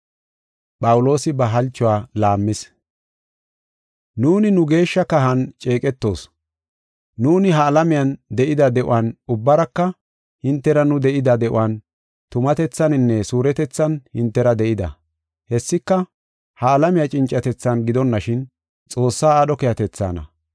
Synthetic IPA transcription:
pʼɐwʊlo̞ːsɪbɐɦɐlt͡ʃːʊwaːlaːmːɪs | nuːnɪnʊɡe̞ːʃːɐkɐɦɐnt͡ʃʼeːkʼɛt̪ːo̞ːs | nuːnɪɦɐːlɐmɪjɐnd̪ɛʔɪd̪ɐd̪ɛʔʊ̰wɐnʊbːɐɾɐkːɐ | hɪnt̪ːɛɾɐnʊd̪ɛʔɪd̪ɐd̪ɛʔʊ̰wɐn | t̪ʊmɐt̪ɛt͡sːɐnɪnːɛsuːɾɛt̪ɛt͡sːɐnhɪnt̪ːɛɾɐd̪ɛʔɪd̪ɐ̰ | hɛsːɪkːɐ | hɐːlɐmɪjat͡ʃʼɪnt͡ʃʼːɐt̪ɛt͡sːɐnɡɪd̪ɔnːɐʃɪn | t͡sʼo̞ːsːaːɗɔkɛjɐt̪ɛt͡sːa̰ːnɐ̰

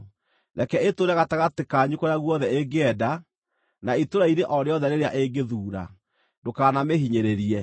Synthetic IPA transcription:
nɛkɛetoɾaɣataɣatekaːɲukoɾeaɣwɔðɛeɡeɛda | naitoɾaiɾeʔɔɾeɔðɛɾeɾea̰ʔeɡeðuːɾa̰ | dokaːnameɦiɲeɾeɾiɛ

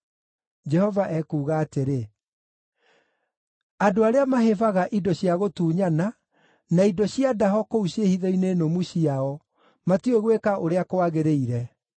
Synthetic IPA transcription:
d͡ʒɛhɔvaʔɛkuːɣaːteɾe | adoaɾeamaɦevaɣaʔidɔɕjaɣotuːɲana | naidɔɕiadaɦɔkouɕehiðɔinenomuɕiaɔ | matueɣwekaʔoɾeakoaɣeɾeiɾɛ

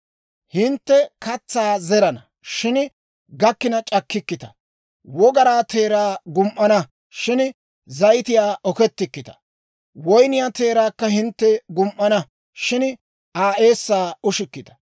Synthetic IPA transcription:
hɪnt̪ːɛkɐt͡sːaːzɛɾɐnɐ | ʃɪn | ɡɐkːɪnɐt͡ʃʼɐkːɪkːɪt̪ɐ̥̰ | wɔɡɐɾaːt̪e̞ːɾaːɡʊmʔɐnɐ | ʃɪn | zɐjt̪ɪjaːʔɔkɛt̪ːɪkːɪt̪ɐ̥ | wɔjnɪjaːt̪e̞ːɾaːkːɐhɪnt̪ːɛɡʊmʔːɐnɐ | ʃɪn | ʔaːʔe̞ːsːaːʊʃɪkːɪt̪ɐ̥

